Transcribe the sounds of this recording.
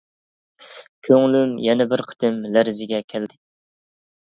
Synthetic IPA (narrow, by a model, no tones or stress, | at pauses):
kʲʰøŋlymjɛnɛbɪɾqʰə̥t̪ɨmlæɾzɪɡʲɛkʲʰæld̪ɪ